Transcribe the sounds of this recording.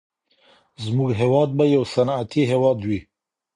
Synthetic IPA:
zmuɡɦewɑd̪̚bajawsanat̪ʰiɦewɑd̪wi

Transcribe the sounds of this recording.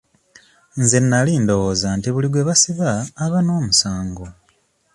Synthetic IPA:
nzenːaliːndo̞ɣoːzantiβuliɡwe̞βasiβaːβano̞ːmusaːŋɡo

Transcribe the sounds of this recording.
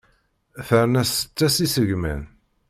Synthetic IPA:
θəɾnæsə̥t͡sːæsisəʝmæ̰n

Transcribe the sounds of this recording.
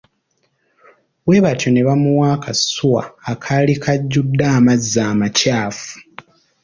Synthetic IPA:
we̞βatjo̞ne̞βamuwaːkʰasuwa̰ːkʰalikʰaɟːudːaːmazːaːmacaːfu̥

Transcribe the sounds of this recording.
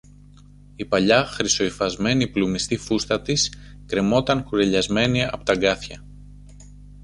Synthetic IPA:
ipɐʎɐxɾiso̞ifɐzme̞niplumist̪ifust̪ɐt̪is | kɾe̞mo̞t̪ɐŋkuɾe̞ʎɐzme̞niɐ̰pot̪ɐɡɐθçɐ

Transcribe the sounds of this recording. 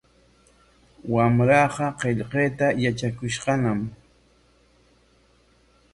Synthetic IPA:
wamɾɑqɑqeʎqeːt̪ajat͡ʃakʊʃqɑnam

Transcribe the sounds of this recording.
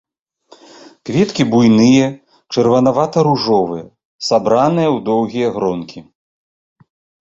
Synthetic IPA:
kvʲɛt̪kʲibujnɨjɐ | t͡ʂɨrvɐnavat̪ɐɾuʐɔvɨjɐ | sabɾanɨjɐwd̪ɔwɣʲijɐɣɾɔnkʲi

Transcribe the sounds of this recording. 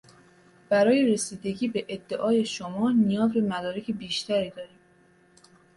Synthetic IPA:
b̥æɾɒːje̞ɾesiːd̪e̞ɟiːbe̞ʔed̪ːe̞ʔɒːje̞ʃomɒːnijɒːzbemæd̪ɒːɾecʰe̞biːʃt̪ʰæɾiːd̪ɒːɾiːm

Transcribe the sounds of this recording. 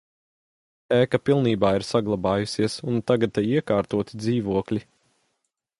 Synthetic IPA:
ɛːkapilˠniːbaːiɾsaɡlˠabɑːjusiɛsunt̪aɡad̪̚t̪ːɛjiɛkaːɾt̪uɔt̪id̪ziːvuɔklʲi

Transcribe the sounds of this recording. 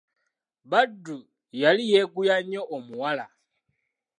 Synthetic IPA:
βadːu | jalijeɡujaɲoʔomuwala̰

